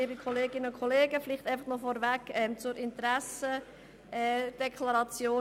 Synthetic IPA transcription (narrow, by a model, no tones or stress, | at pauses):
iːbikʰoleːɡɪnəʊkʰoleːɡəfɪliχtæɪfɑχnɔfɔɾvækɛmt͡sʊɾʔɪntɾæsə | ɛːd̥ɛkʰlɑɾɑt͡sjoː